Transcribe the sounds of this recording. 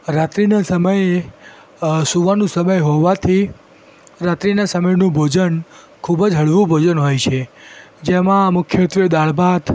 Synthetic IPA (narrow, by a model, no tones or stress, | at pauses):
ɾat̪ɾinasəməje | suʋanũsəməjɦɔʋat̪ʰi | ɾat̪ɾinasəməjnũbʱod͡ʒən | kʰubəd͡ʒɦəɭʋũbʱod͡ʒənɦojt͡ʃʰed͡ʒemãmʊkʰjət̪ʋəd̪aɭbʱat̪